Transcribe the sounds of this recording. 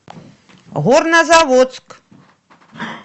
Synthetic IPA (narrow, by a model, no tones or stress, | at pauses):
ɣɔrnɐzavɔt̪sk